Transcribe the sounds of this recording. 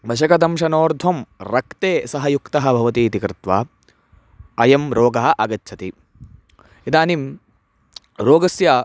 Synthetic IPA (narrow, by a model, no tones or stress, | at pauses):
ʋɐʃɐkɐd̪ɐmʃɐnoːɾd̪ʱɐmɾɐkt̪eːsɐɦɐjukt̪ɐɦɐ̆bʱɐʋɐt̪iːt̪ikɾɪt̪ʋa | ɐjɐmɾoːɡɐɦɐʔɐɡɐtːt͡ʃʰɐt̪i | id̪aːnim | ɾoːɡɐsjɐ